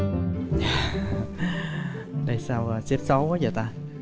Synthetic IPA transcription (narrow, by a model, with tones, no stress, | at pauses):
jaː˨˧˩ | ɗə˧jsaː˧wəː˨˩sɛ˦˥p̚sə˨˦waː˨˦zəː˨˩t̪aː˧